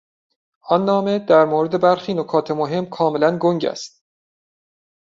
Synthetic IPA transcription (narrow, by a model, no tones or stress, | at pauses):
ʔɒnːɒːme̞d̪æɾmoːɾe̞d̪e̞bæɾxiːnokʰɒːt̪ʰemoɦe̞mkʰɒːme̞lænɡoŋɟæ̰st̪̚